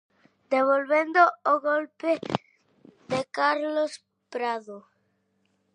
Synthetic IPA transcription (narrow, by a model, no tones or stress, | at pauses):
d̪eβ̞olβend̪ooɣolpe | ðekaɾlos | pɾaðo